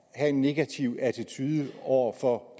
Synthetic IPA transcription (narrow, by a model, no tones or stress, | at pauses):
hæe̝nːe̝ɡ̥æt͡sʰiʊæt͡sʰit͡sʰyðˠəɒʊ̰ɐfɒ̥̽